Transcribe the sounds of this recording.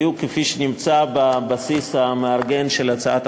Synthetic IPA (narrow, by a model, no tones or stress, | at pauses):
jukefiʃenimt͡sababasishameaʁɡe̞nʃelat͡saat̪